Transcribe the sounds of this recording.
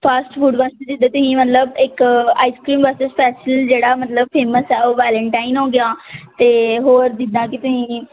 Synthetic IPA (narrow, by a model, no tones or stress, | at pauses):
pʰəsʈpʰuːɖʋəst̪ed͡ʒɪd̪aːt̪ʊsĩːmət̪ləbɪka̰ːiːskɾiːmʋəstespʰɛːsəld͡ʒeːɽaːmət̪ləb̚pʰeːməsɛːoːʋɛːləɳʈaːinɦõːɡɪaːt̪eːɦoːɾd̪ɪd̪ãːkɪt̪ʊsĩː